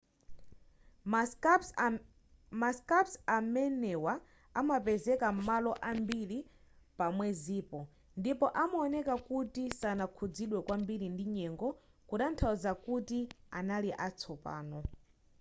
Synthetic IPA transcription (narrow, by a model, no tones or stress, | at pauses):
maskapsamɛnɛwa | amapɛzɛkam̩malɔʔambili | pamwɛziːpɔ | ndipɔʔamaɔnɛkakutisanakʰud͡ziɗwɛkwambiɾindiɲɛŋɡɔ | kuɗantʰauzakutia̰naliʔat͡sʰɔpa̰ːnɔ